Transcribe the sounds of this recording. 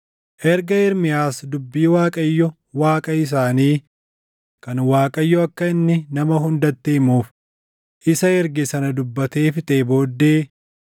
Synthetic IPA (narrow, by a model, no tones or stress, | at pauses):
ʔɛɾɡɐɪɾmɪjaːsd̪ʊbːiːwaːkʼɐjːɔ | waːkʼɐɪs̬aːniː | kɐnwaːkʼɐjːɔɐkːɐɪnːɪnɐmɐɦʊnd̪ɐt̪ːeːmuːf | ʔɪsɐɛɾɡɪsɐnɐd̪ʊbːɐt̪e̞ːfɪt̪ʼe̞ːbo̞ːd̪ːeː